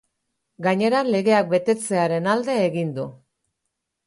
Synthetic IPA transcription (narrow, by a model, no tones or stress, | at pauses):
ɡaɲe̞ɾanle̞ɣe̞ak̚be̞t̪e̞t͡se̞aɾe̞nald̪e̞ːɣind̪u